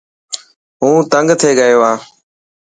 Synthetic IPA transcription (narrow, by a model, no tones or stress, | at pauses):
ɦũːt̪əŋɡt̪ʰeːɡəjoːãː